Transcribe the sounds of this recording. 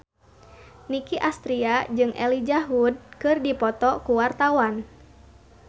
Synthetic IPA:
nikiʔast̪ɾiad͡ʒɨŋʔɛ̰lid͡ʒaɦud̚kɨrdipɔt̪ɔkuwart̪awan

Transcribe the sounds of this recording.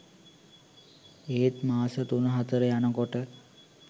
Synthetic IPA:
eːt̪maːsət̪unəɦat̪əɾəjanəkoʈə

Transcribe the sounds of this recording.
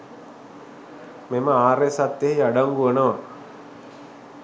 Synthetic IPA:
meməaːɾesat̪ːeɦiaɖaŋɡuʋənəʋa

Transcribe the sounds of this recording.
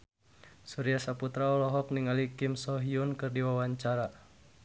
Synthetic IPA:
suɾiasaput̪ɾaɔlɔɦɔk̚niŋalikimsɔɦiunkɨrdiwawaɲt͡ʃaɾa

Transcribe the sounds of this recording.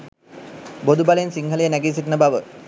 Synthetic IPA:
bod̪ubaleensiŋɦəlejənæɡis̬itnəbaʋə

